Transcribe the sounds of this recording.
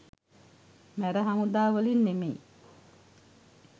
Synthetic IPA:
mæɾəɦamud̪aːʋəlinːemej

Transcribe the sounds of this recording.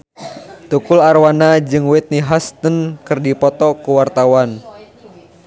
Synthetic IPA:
t̪ukʊlarwanad͡ʒɨŋwɛt̪̚niɦast̪ənkɨrdipɔt̪ɔkuwart̪awan

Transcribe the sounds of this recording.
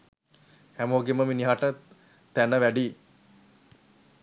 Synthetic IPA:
hæmoːɡeməminiɦaʈə | t̪ænəʋæɖiː

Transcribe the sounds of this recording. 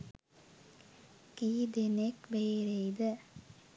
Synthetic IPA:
kiːd̪enekbeːɾeid̪ə

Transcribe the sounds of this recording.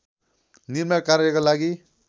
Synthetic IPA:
niɾmakaɾekolaɡi

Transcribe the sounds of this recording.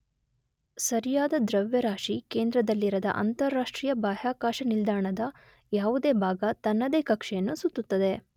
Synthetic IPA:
sɐɾijaːd̪ɐd̪ɾɐʋjɐɾaːʃikeːnd̪ɾɐd̪ɐlːiɾɐd̪ɐ̰ʔɐ̰nt̪ɐɾːaːʂʈɾiːjɐbʱaːjaːkaːʃɐnild̪aːɳɐd̪ɐ | jaːʋud̪eːbʱaːɡɐt̪ɐnːɐd̪eːkɐkʂɛjɐnːusut̪ːut̪ːɐd̪e̞

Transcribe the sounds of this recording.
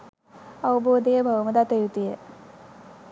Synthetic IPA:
ɐwuboːd̪ejəbəwuməd̪at̪ejut̪ijə

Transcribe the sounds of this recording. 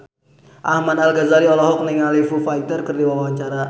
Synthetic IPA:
ʔahmanalɡazaɾiɔlɔɦɔk̚niŋalifufajt̪ərkərdiwawawat͡ʃaɾa

